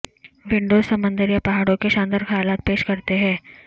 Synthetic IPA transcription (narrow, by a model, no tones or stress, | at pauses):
ʋɪ̃ɳɖoːzsɐmə̃nd̪əɾjapɐɦaːɽõkeʃãːnd̪əɾxɐjaːlaːt̪̚peːʃkɐɾt̪eɦɛ̃ː